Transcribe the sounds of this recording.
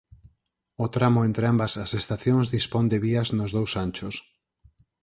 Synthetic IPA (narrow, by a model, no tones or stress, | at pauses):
ot̪ɾamoẽnt̪ɾeambɐsasest̪aθjoŋzðispond̪eβiɐznʊzðowsant͡ʃʊs